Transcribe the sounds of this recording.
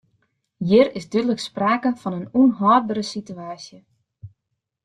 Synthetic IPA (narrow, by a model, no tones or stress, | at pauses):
jɪrɪsdydələkspraːkəfɔnənunɦɔːr̚bəɾəsityaːsjə